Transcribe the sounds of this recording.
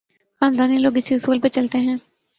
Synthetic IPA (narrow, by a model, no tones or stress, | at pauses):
xaːnd̪aːniloːɡɪsiɦʊsuːlpet͡ʃəlt̪eːɦɛ̃ː